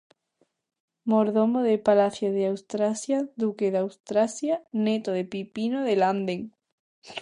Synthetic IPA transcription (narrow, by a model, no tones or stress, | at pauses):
moɾðomoðepalaθjoðeawst̪ɾasjaðukeðawst̪ɾasjanet̪oðepipinoðeland̪eŋ